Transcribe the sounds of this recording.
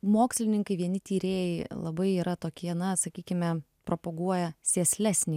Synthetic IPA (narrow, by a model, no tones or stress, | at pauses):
moːksʲlʲɪnʲɪŋkɐɪʋʲiɛnʲɪt̪ʲiːɾʲeːjɛɪlˠɐ̰bɐɪiːɾɐt̪oːkʲiɛnɐsɐkʲiːkʲɪmʲɛ | pɾoːpoɡuɔjɛsʲeːsʲlʲæsʲnʲiː